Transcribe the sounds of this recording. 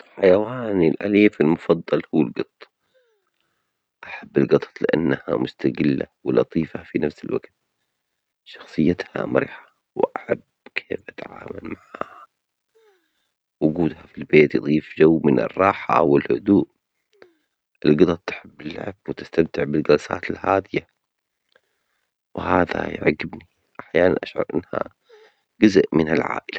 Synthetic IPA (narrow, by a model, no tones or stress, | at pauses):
ħajawaːnɪlʔa̰liːfɪlmʊfɑd̪ˤːɑlhʊwːalɡɨt̪ˤ | ʔaħabːɪlɡɑt̪ˤɑ̥t̪ˤlɪʔanːha̰mʊst̪aɡɪlːa̰wɪlɑt̪ˤiːfafinafsɪlwa̰ɡt̪̚ | ʃɑ̥xsˤɨjːat̪ha̰mɑɾiːħḁ | wɪʔaħab | kʰeːfʔat̪aʕa̰ːma̰lmaʕaːha | wʊɡuːd̪hafilbeːt̪jɨðˤiːfd͡ʒawːmɪnɪ̰rˤːɑːħaʔawɪlhʊ̰d̪uːʔ | ʔɪlɡɑd̪ɑt̪ħɪbːɪlːa̰ʕb̥̚wɪt̪ɪst̪amt̪ɪʕbɪlɡɑlsa̰ːt̪ɪlhaːd̪ɪja | wɪhaːða̰jʕɡɪbni | ʔaħjaːnanʔaʃʕɑ̰ɾˤʔɪ̰nːha̰ | ɡʊzʔmɪnalʕa̰ːʔɪla